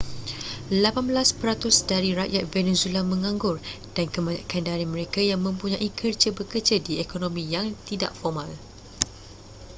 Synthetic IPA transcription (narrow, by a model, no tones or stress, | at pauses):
lapanbəlaspəɾat̪ʊsdaɾiɾaʔjat̪̚venezuelamə̃ŋãŋɡʊr | d̥ankəmãɲã̰kandaɾimə̃ɾekajaŋmə̃mpuɲãʔikʰərd͡ʒəbəkərd͡ʒadiekonõmĩjaŋt̪ida̰ʔfɔmãl